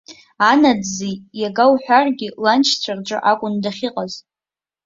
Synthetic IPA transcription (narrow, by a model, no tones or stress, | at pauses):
anadzijaɡawħʷᶣarɡʲɪlant͡ʃʰt͡sʷʰarʈ͡ʂʷʼɨ̰ʔakʷʼʊndaχʲiqʼaz